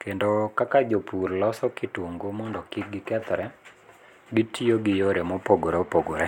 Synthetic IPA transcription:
kendɔkakad͡ʒopurlɔsɔkɪtwoŋɡomɔndɔkɪk̚ɡɪkɛt̪ɾɛ | ɡɪtʰioɡɪjoɾemopoɡoɾeopoɡoɾɛ

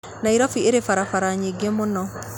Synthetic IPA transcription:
naiɾɔfieɾefaɾafaɾaɲeɡemonɔ

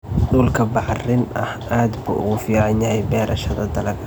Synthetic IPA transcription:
ɖuːlkʰɐbɑħrɪnʔɐ̰haːd̪bʊ̰ʔʊ̰ɣʊfiːʕɑnjɐhɛjbɛːɾʔɐʃɐðɐd̪ɐlɐɡɐ

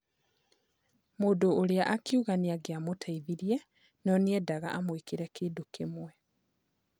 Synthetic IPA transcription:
moːdoːljaʔakjuɣaniaɡjamotʰaiðiɾje | nɔniɛdaɣa̰ʔamwikiɾɛkiːdukemwɛ

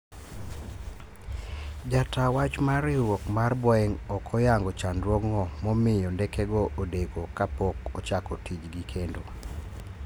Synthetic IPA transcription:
d͡ʒatawat͡ʃmaɾɪwɔkmarbɔɛŋɔkʰɔjaŋɡɔt͡ʃandwɔɡŋɔmɔmɪjɔndɛkɛɡɔʔodekokapɔkɔt͡ʃakɔtid͡ʒɡikʰendo

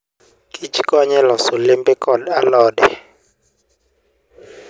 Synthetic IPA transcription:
kʼit͡ʃʰʼikʼwaɲɛlɔsɔlɛmpʼɛkʼɔdalɔːdɛ

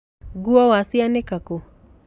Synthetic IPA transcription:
ɡuawasianɛkako

